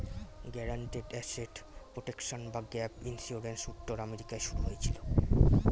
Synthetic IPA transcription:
ɡɛɾaɳʈiɖɛseɖpɾoʈekʃonbaɡɛpinsuɾɾensut̪ːoɾameɾikaeʃuɾuɦojet͡ɕʰilo

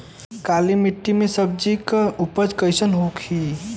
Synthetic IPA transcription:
kalimiʈːimesəb̚d͡ʒikupəd͡ʒkəjsənɦokʰi

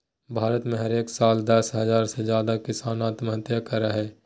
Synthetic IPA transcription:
bʱaːɾət̪mẽɦɐɾeːksaːld̪əsɦɐzaːɾsed͡ʒjaːd̪akɪsaːnaːt̪mɐɦət̪jəkəɾaɦɛː

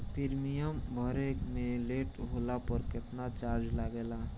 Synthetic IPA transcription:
pʰɪɾmijəmbʱəɾeːkmẽleːʈɦoːlapəɾkɪt̪nat͡ʃaːɾd͡ʒlaɡela

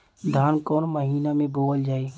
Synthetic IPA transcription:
d̪ʱaːnkoːnməɦiːnamẽboːld͡ʒaːe

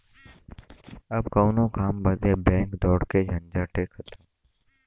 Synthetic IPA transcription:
ɐbkoːnõkaːmbɐt̪ebɛ̃ːŋkd̪ɔːɽked͡ʒʱɐ̃nd͡ʒaʈeːkhɐt̪aː

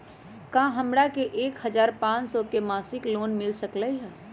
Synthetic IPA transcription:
kãɦəmɾakeʔeːkhəd͡ʒaːɾpãːt͡ʃsɔkemaːsɪkloːnmɪlsəkləɦɛ

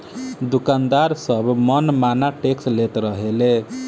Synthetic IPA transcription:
d̪ukand̪aɾsəbmənmanaʈekslet̪ɾəɦele

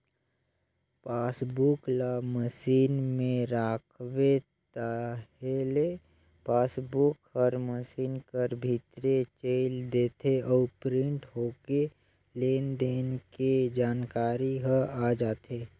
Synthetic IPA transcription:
paːsbuklaməsiːnmẽɾaːkʰwet̪aɦele | paːsbʊkhəɾməsiːnkəɾbʱit̪ɾet͡ʃeɪld̪eːt̪ʰeʔɔːɾpɾɪ̃ɳʈɦoːke | leːnd̪eːnked͡ʒaːnkaːɾiɦəad͡ʒaːt̪eː

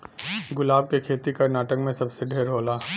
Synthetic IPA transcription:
ɡʊlaːb̚kekʰeːt̪ikɐɾnaːʈəkmẽsɐbseɖʱeːɾɦoːlaː

